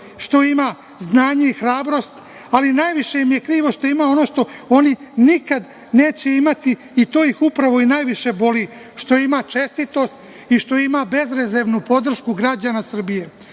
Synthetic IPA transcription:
ʃt̪o̞imaː | znaːɲe̞ixɾaːbɾo̞st̪ | alinaːjʋiʃe̞jimje̞kɾiːʋo̞ʃt̪o̞imaːo̞no̞ːʃt̪o̞o̞ninikad̪ | ne̞ːt͡ɕe̞imat̪iː | t̪o̞ːjixupɾaʋo̞inaːjʋiʃe̞bo̞liː | ʃt̪o̞imaːt͡ʂe̞st̪it̪o̞st̪ | iʃt̪o̞imaːbe̞zɾezeʋnupo̞d̪r̩ʃkuɡɾad͡ʑaːnasr̩bije̞

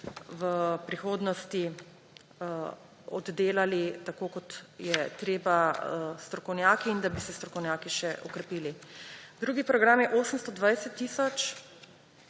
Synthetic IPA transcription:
ʋəpɾixoːd̪nɔst̪i | ɔd̪d̪eːlalit̪akoːkɔt̪jɛt̪ɾeːbast̪ɾɔkɔwnjaːkiːnd̪abisɛst̪ɾɔkɔwnʲjaːkiʃɛʔɔkɾɛpiːlid̪ɾuːɡipɾɔɡɾamjɛʔoːsəmst̪ɔd̪ʋajsɛt̪ːiːsɔt͡ʃ

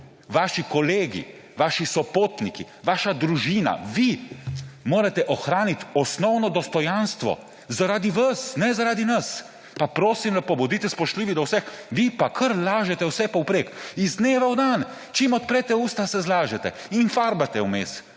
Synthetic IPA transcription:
ʋaːʃikɔleːɡḭ | ʋaːʃisɔpoːt̪niki | ʋaːʃad̪ɾuʒiːna̰ʋi | moːɾat̪ɛʔɔxɾaːnit̪ɔsnɔwnɔd̪ɔst̪ɔjanst̪ʋɔ̰ | zaɾaːd̪iʋasnɛzaɾaːd̪inɐs | papɾoːsimlapɔbɔd̪iːt̪ɛspɔʃt̪liːʋid̪ɔwsɛxʋipakʰəɾlaːʒɛt̪ɛwsɛpɐwpɾeːkizd̪neːʋawd̪an | t͡ʃimɔt̪̚pɾɛt̪ɛuːst̪asɛzlaːʒɛt̪ɛinfaɾbat̪ɛwmeːs

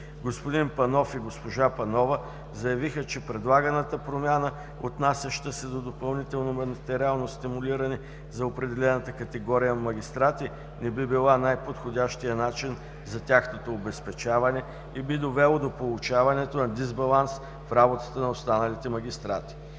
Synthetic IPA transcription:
ɡospʊd̪inpɐnɔfiɡospoʒapɐnɔvə | zɐjɐvixət͡ʃɛpɾɛd̪lˠaɡənət̪əpɾomʲanə | ot̪nasʲjɐʃt̪əsɛd̪od̪opɐlˠnit̪ɛlˠnomɐnt̪ɛɾialˠnost̪imʊliɾɐnɛ | zɐopɾɛd̪ɛlɛnət̪əkɐt̪ɛɡɔɾijənmɐɡʲist̪ɾat̪i | nɛbibilˠanajpot̪xodʲaʃt̪ijənat͡ʃin | zɐt̪ʲaxnot̪oːbɛspɛt͡ʃavɐnɛ | ibid̪ovɛlˠod̪opolˠʊt͡ʃavɐnɛt̪onɐd̪izbɐlˠans | fɾabot̪ə̥t̪ənɐost̪anɐlit̪ɛmɐɡʲist̪ɾa̰t̪i̥

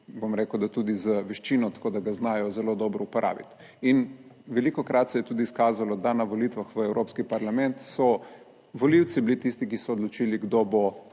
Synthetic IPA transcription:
bomɾeːkəwd̪at̪ud̪izəʋɛʃt͡ʃinɔt̪ḁkoːd̪aɡaznaːjɔzɛlod̪ɔbɾɔupɔɾʔa̰ːʋḭt̪ | inʋɛlikɔkɾʔat̪sɛjɛt̪uːd̪iːskaːzalɔd̪anaʋolit̪ʋaxʋəɛwɾoːpskipɐɾlamɛnt̪sɔ | ʋoliwt̪siblit̪ist̪ikisɔːd̪lɔt͡ʃiːliɡd̪obo

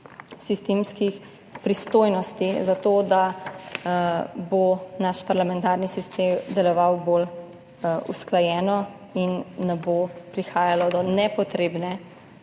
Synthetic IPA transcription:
sist̪emskix | pɾist̪oːjnɔst̪izat̪oːd̪a | bonaʃpaɾlamɛ̃nt̪aːɾnisist̪emd̪ɛlɔʋawbol | ṵsklajɛːnɔ | inːɛbopɾixaːjalɔd̪ɔnɛpɔt̪ɾeːbnɛ

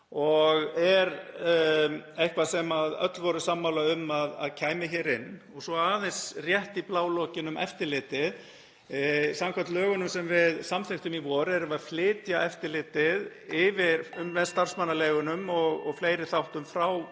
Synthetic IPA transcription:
ɔɣɛɾ | ejhkvasɛmaðœ̰t̪lvɔɾʏsamːawlaʏmːaða̰ðcʰaːjmɪçɛːɾɪnːɔɣsɔaːðɛnsrjɛht̪iplaːwlɔcɪnʏmɛ̰ft̪ɪɾlɪːt̪ɪð | samkʰvat̪lœːɣʏnʏmsɛmvɪðsamθeht̪ʏmivɔːɾɛɾʏvaðflɪːt̪jaʔɛft̪ɪɾlɪːt̪ɪð | ɪvɪɾʏmvɛðst̪ar̥smanːalɛːɣʏnʏmɔɣɔɣfleːjɾɪθawht̪ʏmfɾaw

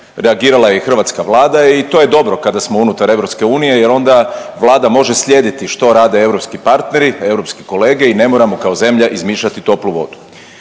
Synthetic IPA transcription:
ɾeaɡiːɾalˠajexr̩ʋaːt̪skaʋlˠaːd̪ait̪o̞ːje̞d̪o̞bɾo̞kad̪asmo̞unut̪aɾe̞ʋɾo̞pske̞uːnije̞je̞ɾo̞nd̪aʋlˠaːd̪amo̞ʒe̞sʎʲje̞ːd̪it̪iʃt̪o̞ɾaːd̪e̞e̞ʋɾo̞pskipaɾt̪ne̞ɾie̞ʋɾo̞pskiko̞le̞ːɡe̞ine̞mo̞ɾamo̞kaoze̞mʎaʔizmiːʃat̪it̪o̞pluʋo̞̰d̪u̥

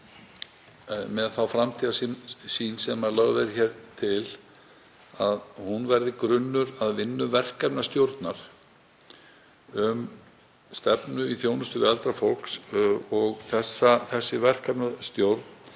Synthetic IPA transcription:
mɛðθawfɾamt̪ʰiːðassinsɛmalœɣðɛɾçɛɾt̪ʰɪl | aðhunvɛɾðɪkɾʏnːʏɾaðvɪnːʏvɛr̥kapnast̪jowɾt̪naɾ̥ | ʏm | st̪ɛpnʏiθjownʏst̪ʏvɪalt̪ɾafowlksɔɣθɛsːaθɛsːɪvɛr̥kapnast̪jowɾt̪n̥

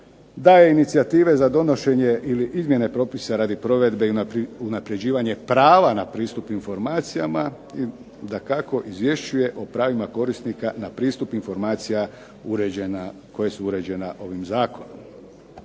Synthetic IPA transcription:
d̪aːje̞init̪siat̪iːʋe̞zad̪o̞no̞ʃe̞ɲe̞ʔiliʔizmje̞ne̞pɾo̞pisaɾaːd̪ipɾo̞ʋe̞d̪be̞iunapɾe̞d͡ʑiːʋaɲe̞pɾaːʋanapɾiːst̪upinfo̞ɾmaːt̪sijama | i | d̪akako̞ʔizʋje̞ʃt͡ɕuje̞ʔo̞pɾaːʋimako̞ɾist̪nikanapɾiːst̪upinfo̞ɾmaːt̪sija | uɾe | ko̞jesuuɾe̞d͡ʑe̞naʔo̞ʋimzaːko̞nom

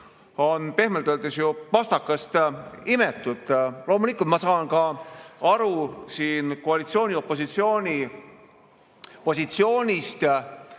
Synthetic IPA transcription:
o̞npe̞hmelt̪øːld̪̥esjuvɑst̪ɑkːɑst̪imet̪ːˑut̪ˑlo̞ːmulikˑult̪mɑsɑːnkɑɑɾusiːnkoɑlit̪sio̞ːnʲio̞pːˑo̞s̬it̪sio̞ːnʲi | po̞sʲit̪sio̞ːnʲist̪

